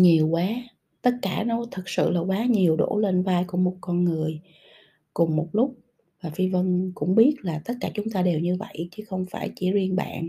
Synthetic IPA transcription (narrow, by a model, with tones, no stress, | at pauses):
ɲi˨˩əwkwaː˨˦ | t̪ə˦˥t̚kaː˧˩nɔ˨˦t̪ʰɨ˨˩k̚sɨ̰˧˨laː˨˩kwaː˨˦ɲi˨˩əwɗo̰˧˩le˧nvaː˧jku˧˩əmo˨˩t̚kɔ˧nŋɨ˨˩əj | kʊ˨˩ŋ͡mmo˨˩t̚lʊ˦˥k͡p̚ | vaː˨˩fi˧və˧nkʊ̰˧˥ŋ͡mɓi˦˥ət̚laː˨˩t̪ə˦˥t̚kaː˧˩t͡ɕʊ˨˦ŋ͡mt̪aː˧ɗe˨˩wɲɨ˧və̰˧˨jt͡ɕɨ˨˦xə˧wŋ͡mfaː˧˩jt͡ɕi˧˩˦zi˧ənɓa̰ː˧˨n